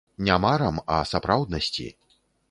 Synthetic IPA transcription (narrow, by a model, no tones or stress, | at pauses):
nʲamaɾɐmɐ̰sapɾawd̪nɐsʲt͡sʲḭ